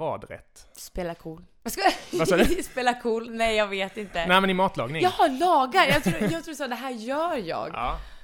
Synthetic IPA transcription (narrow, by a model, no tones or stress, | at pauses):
ɑ̰ːd̪ɾɛ̰t̪ːspeːlakʰuːl | vaska | speːlakʰuːlnɛjːɑːɡveːt̪ɪnt̪ənɛmɛnɪmɑːt̪ʰlɑ̰ːɡnɪŋjɑlɑːɡaɾjɑɡt̪ʰɾujɑɡt̪ɾuːdɛsɑːd̪ɛɦæːɾjœːɾjɑ̰ːɡ